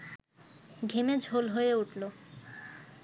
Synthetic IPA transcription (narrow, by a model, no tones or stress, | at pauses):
ɡʱemed͡ʑʱolɦojeuʈʰlo